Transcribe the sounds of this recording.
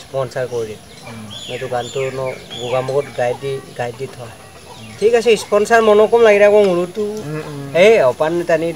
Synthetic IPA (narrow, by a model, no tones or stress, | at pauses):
ispɔnsaɹkɔɹidɛ | ɛtuɡantunɔɡuɡamɔɡɔt̚ɡajdiɡajditʰɔa | tʰikasɛispɔnsaɹmɔnɔkɔmlaɡiɾakɔŋulutu | eɔpanːɛtani